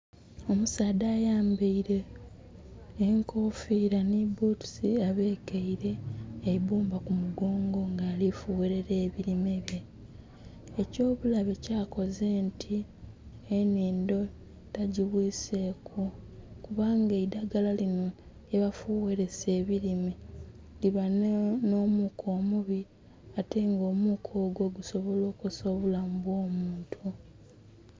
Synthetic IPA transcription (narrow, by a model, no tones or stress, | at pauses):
o̞musaːdaːjaːmbeiɾe̞ | ŋko̞fiːɾanibotu̥siaβeːkeiɾe̞ːiβuːmbakumuɡo̞ːŋɡo̞ŋɡaːlifuweɾe̞ɾe̞ːβiɾime̞βje | eco̞ːβulaβecaːko̞ze̞ntʰi | eniːndo̞ | taɟiβwiːse̞kʰukuβaːŋɡeidaɡalalino̞ | eβafuwe̞ɾe̞se̞ːβiɾime | liβanno̞ːmukʰo̞ːmuβi | ate̞ŋɡo̞ːmukʰo̞ːɡo̞ɡuso̞βo̞lo̞ːkusoːβulambwo̞ːmuːntʰu